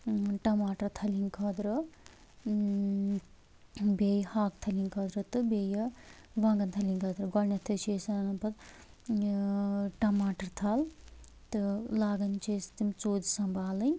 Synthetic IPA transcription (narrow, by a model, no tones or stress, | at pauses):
ʈɐmaːʈɐɾt̪ʰɐliŋkʰɐd̪ɾɨ | bejhaːk̚t̪ʰɐliŋkʰɐd̪ɾɨt̪ɨbejɐ | ʋɐŋɡɐnt̪ʰɐlʲiŋkʰɐd̪ɾɨɡɔlnʲɐt̪ʰːɨt͡ʃʰeːsɐnɐpɐt̪ | ʈɐmaːʈɐɾt̪ʰɐl | t̪ɨlaːɡɐnt͡ʃeːst̪imt͡soːd̪isɐmbʱaːlɨnʲ